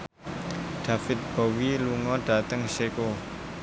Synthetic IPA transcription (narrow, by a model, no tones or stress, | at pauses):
ɖ̥a̤fɪt̪̚b̥owiluŋɔɖ̥a̤t̪əŋseko